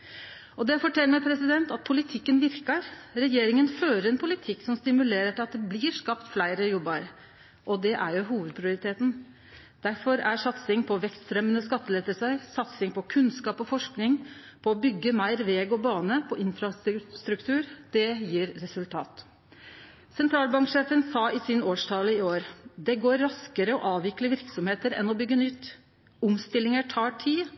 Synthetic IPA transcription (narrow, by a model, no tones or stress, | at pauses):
ɔd̪ɛæfɔʈʰɛlːmæɪpʰɾɛsɪd̪ɛnt̪ɑt̪̚pʰʊlɪt̪ʰɪkːənʋɪɾkɑɾɾɛjeːɾɪŋənføːɾəɾɛnpʰʊlɪt̪ʰɪkːsɔmst̪ɪmʉleːɾəʈʰɪlɑt̪̚d̪ɛbliːɾʂkɑpt̪flæɪɾəjɔbːɑɾ | ʔɔd̪ɛʔæɾjʊɦuːʋəd̪̚pʰɾɪʊɾɪt̪ʰeːt̪n̩ | d̪̥æɾfɔɾæʂɑt̪sɪŋpʰɔʋɛkst̪st̪ɾœmənəskɑt̪ːəlɛt̪əsɑɾsɑt̪sɪŋpʰɔkʰʉnskɑːpɔfɔʂknɪŋpʰɔɔbʏɡːəmæɪɾʋeːɡɔbɑːnəpʰɔʔɪnfɾɑst̪ɾʉkt̪ʰʉːɾd̪̥ɛjiːɾːɛsʉlt̪ʰɑ̰ːt̪ | sɛnt̪ɾɑːlbɑŋkʂeːfənsɑːɪsɪnoːʂt̪ʰɑləɪoːɾd̪ɛɡoːɾːɑskəɾəɔʔɑːʋɪkləʋɪɾksɔmheːt̪əɾɛ̰nɔbʏɡːənʏt̪ː | ʊmst̪ɪlːɪŋəʈʰɑːʈʰiː